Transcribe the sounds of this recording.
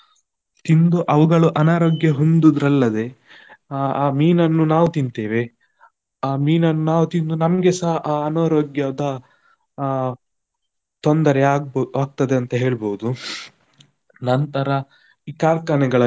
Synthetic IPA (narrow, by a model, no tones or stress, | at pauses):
t̪ind̪uʔɐʋuɡɐɭuʔɐnaːɾoːɡjɐɦond̪ud̪ɾɐlːɐd̪e̞ | aːmiːnɐnːunaːʋut̪ind̪t̪eːʋe̞ | aːmiːnɐnːunaːʋut̪ind̪unɐmɐɡesaɦɐʔaːɐnaːɾoːɡjɐd̪ɐ | t̪ond̪ɐɾɛaːaːɡ̚t̪ɐd̪eɐnt̪ɐɦe̞ːɭboːud̪u | nɐnt̪ɐɾɐ | iːkaːɾkanɛɡɐɭɐ